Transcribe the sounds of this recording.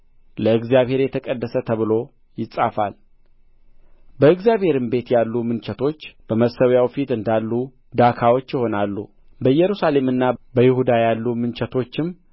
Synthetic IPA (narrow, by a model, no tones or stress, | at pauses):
ləɨɡzjaβhe̞ɾjɛt̪ʰəkʼəd̪ːəsət̪ʰəβɨlo̞ | jɪsʼafa̰l | bəɨɡzjaβhe̞ɾɨmbe̞t̪jalːumɨnt͡ʃɛt̪ʰo̞t͡ʃːb̥əməsəwjawfit̪ɨnd̪alːu | d̪akʰawo̞t͡ʃːjɪho̞nalːu | bəjɛɾusale̞mɨnːabəjɪhud̪ajalːumɨnt͡ʃʰɛt̪ʰo̞t͡ʃːɪm